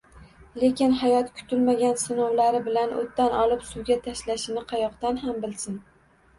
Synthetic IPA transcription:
lekʲɪnɦajɒt̪kʲʰʊ̥t̪ʰɪlmaɡʲansɪnɒwlaɾɪbɪlanʔo̰t̪ːanɒlˠɪpsʊwɡʲat̪ʰaʃlaʃɪnɪqʰɑjɒqt̪anɦambɪlsɪn

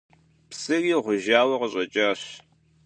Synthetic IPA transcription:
psɨriːʁʷʊʒaːwɐqəɕʼɐt͡ʃʼaːɕ

